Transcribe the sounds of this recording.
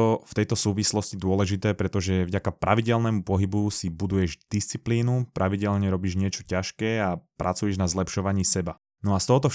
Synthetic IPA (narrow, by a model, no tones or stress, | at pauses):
ɔft̪ɛjt̪ɔsuːʋislɔscid̪ʊɔlɛʒit̪ɛːpɾɛt̪ɔʒɛvɟakapɾʔaʋiɟɛlnɛmupɔɦibusibud̪ujɛʒd̪̥ist͡sipliːnupɾʔaʋiɟɛlɲɛɾɔbiːʒɲɪɛt͡ʃɔcaʃkɛːapɾʔat͡sujɛʒnazlɛpʃɔʋaɲiːsɛba | nɔast̪ɔɦɔt̪̬ɔ